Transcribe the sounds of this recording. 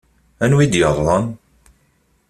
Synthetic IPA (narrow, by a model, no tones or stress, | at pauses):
ænwid̪jəðˤːən